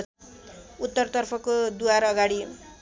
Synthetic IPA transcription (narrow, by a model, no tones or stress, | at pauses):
ut̪ːʌrt̪ʌrpʰʌkod̪uaɾʌɡaɽi